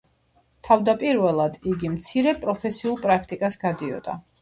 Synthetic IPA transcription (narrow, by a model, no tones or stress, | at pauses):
t̪ʰavd̪apʼiɾvɛlˠad̪iɡimt̪sʰiɾɛpʼɾɔpʰɛsiulˠpʼɾak̚ʰt̪ʼikʼasɡ̥ad̪iɔ̰d̪̥a̰